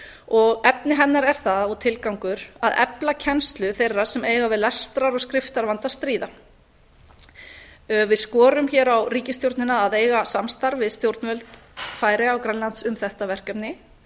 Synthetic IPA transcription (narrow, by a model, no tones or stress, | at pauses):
ɔɣɛpnɪɦɛnːaɾɛɾ̥θaðɔɣt̪ʰɪlkawŋkʏɾaðɛ̰placʰɛnst̪lʏθejrːḁsɛmeːjɣavɪðlɛst̪ɾaɾɔɣskɾɪft̪aɾvant̪ast̪ɾiːða | vɪðskɔːɾʏmçɛɾawriːcɪst̪jowɾt̪nɪnaðːðeːjɣasamst̪aɾvɪðst̪jowɾt̪nvœlt̪faːjɾɪawkɾanlant̪sʏmθɛht̪avɛr̥kɛpnɪ